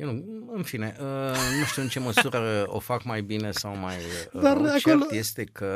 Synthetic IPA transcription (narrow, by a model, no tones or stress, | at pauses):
jewnuɨnfine̞ʔənuʃt̪iuɨnt͡ʃe̞məsuɾəo̞̰fakmajbine̞sawmajd̪aɾat͡ʃoelot̪jest̪e̞kʰə